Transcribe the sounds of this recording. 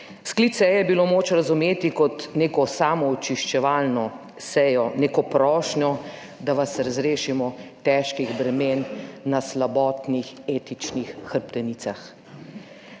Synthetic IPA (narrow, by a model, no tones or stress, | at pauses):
sklit̪sɛjɛbilomoːt͡ʃɾazumeːt̪ikɔt̪neːkɔsaːmɔːt͡ʃiʃt͡ʃɛʋalnɔ | sɛjɔneːkɔpɾɔːʃɲɔ | d̪aʋasɾazɾeːʃimɔt̪ɛʃkiɣbɾɛmeːnːaslabɔːt̪nixeːt̪it͡ʃnixːəɾpt̪ɛniːt̪sax